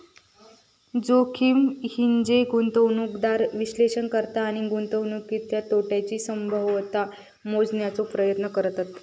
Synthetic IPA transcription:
d͡zokʰiːmhiɲd͡ʑeɡunt̪əwnuːkd̪aɾʋiɕleɕənkəɾt̪aːɽ̃iɡunt̪əwnukːit̪jat̪oʈjat͡ɕiːsəmbʱəʋʋt̪a | mod͡znjat͡sopɾəjət̪nəkəɾt̪at̪

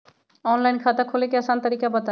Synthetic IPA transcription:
ɔːnlaːinkʰaːt̪akʰoːlekeəsaːnt̪əɾiːkabət̪a

